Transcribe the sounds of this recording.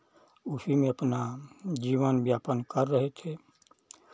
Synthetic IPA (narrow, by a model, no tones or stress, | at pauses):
usimẽəpnad͡ʒiːʋənbjaːpənkəɾːəɦet̪ʰe